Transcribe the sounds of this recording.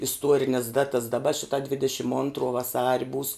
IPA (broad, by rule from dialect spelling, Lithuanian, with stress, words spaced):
ɪsˈtuɔrʲɪnʲɛs ˈdɑːtɐs dɐˈbɐ ˈʃʲɪtɐ ˈdʲʋʲɪdʲɛʃʲɪm ˈoːntroː ʋɐˈsɑːrʲɪ buːs